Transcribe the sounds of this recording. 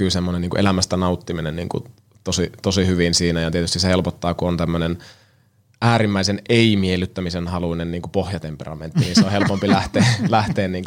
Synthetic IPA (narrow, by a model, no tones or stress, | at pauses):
yːsemːoneniːŋkuʔelæmæst̪ænɑut̪ːiminenḭːŋkṵ | t̪osit̪osihyʋinsiːnæjɑt̪iet̪yst̪isehelpot̪ːɑːkuont̪æmːønen | ʔæːɾimːæiseneimielyt̪ːæmisenhɑluinenniːŋkupohjɑt̪emperɑ̰ment̪ːiniːnseohelpompilæht̪eːlæht̪eːnniːŋk